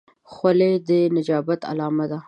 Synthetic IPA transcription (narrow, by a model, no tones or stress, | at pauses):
xwaled̪ənad͡ʒɑːbat̪a̰lɑːmad̪a